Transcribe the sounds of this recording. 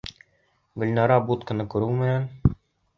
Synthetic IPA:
ɡɵ̆lʲnɑɾɑbut̪kɤ̆nɤkɵ̆ɾulˠmɘ̆jæn

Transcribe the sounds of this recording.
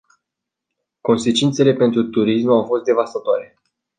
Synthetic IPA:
ko̞nse̞t͡ʃint̪se̞le̞pe̞nt̪ɾut̪uɾismawfo̞st̪d̪e̞vast̪at̪oaɾe̞

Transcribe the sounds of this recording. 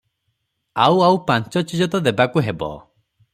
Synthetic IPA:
awawpãnt͡ʃɔt͡ʃid͡ʒɔt̪ɔd̪ebakuɦebɔ̰

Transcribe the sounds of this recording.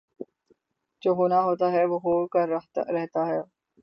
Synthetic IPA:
d͡ʒoːɦoːnaɦoːt̪aɦɛʋoːɦoːkəɾɾɛɦt̪aɦɛː

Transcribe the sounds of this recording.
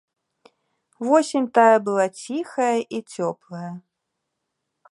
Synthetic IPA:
vɔsʲinʲt̪ajɐbɨlˠat͡sʲixɐjɐʔit͡sʲɔplˠɐjɐ

